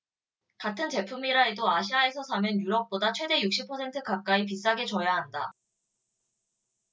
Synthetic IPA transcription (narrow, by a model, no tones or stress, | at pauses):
katʰɯnte̞pʰumiɾaedoaɕʰiae̞sʰʌsʰamenjuɾʌk̚p͈odat͡ɕʰwe̞de̞juk̚ɕ͈ipʰʌsʰe̞ntʰɯkak̚k͈aip̬is͈aɡe̞t͡ɕʌjaɦanda